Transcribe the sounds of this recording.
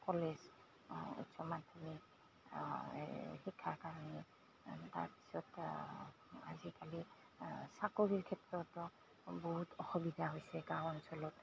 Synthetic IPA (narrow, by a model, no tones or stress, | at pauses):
kɔlez | ṵtsɔmantʰɔmi | xikʰːaɹkaɹanɛ | ta̰ɹpi̥sɔt | a̰zikali | sakoɹiɹkʰɛtɹɔtɔ | bɔɦutʰɔxubidʱaɦojsɛɡawɔnsɔlɔt